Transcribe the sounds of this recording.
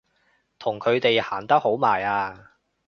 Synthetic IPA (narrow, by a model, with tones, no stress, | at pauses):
t̪ʰʊ˨˩ŋkʰɵ˨˧ɥt̪e˨jhaː˨˩nt̪ɐ˥k̚ho˨˥wmaː˨˩jaː˧